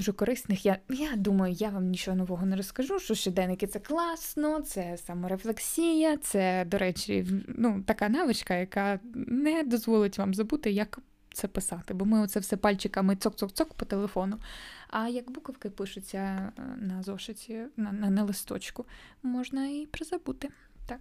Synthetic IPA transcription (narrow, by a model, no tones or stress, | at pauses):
duʒɛkɔɾɪsnɪxjajad̪umɐjʊjaʋamnʲit͡ʃɔɦɔnɔʋɔɦɔneɾɔskɐʒuʃt͡ʃɔʃt͡ʃɔd̪ɛnɪkɪt̪sɛklˠɑsnɔt̪sɛsɑmɔɾeflˠeksʲijɐt̪sɛd̪ɔɾɛt͡ʃʲḭnut̪ɐkɑnɑʋɪt͡ʃkɐjɐkɑnɛd̪ɔzʋɔlˠɪtʲʋɑmzɐbut̪ɪjɐk | t̪sɛpɪsɑt̪ɪbɔmɪɔt̪sɛwsɛpɑlʲt͡ʃɪkɐmɪtsɔk̚tsɔkt̪sɔkpɔt̪elˠefɔnʊɐjɐkbukɐwkɪpɪʃʊt͡sʲːɐnɐzɔʃɪtʲinɐnɐnɐlˠɪst̪ɔ̰t͡ʃkʊmɔʒnɐipɾɪzɐbut̪ɪ | t̪ɑk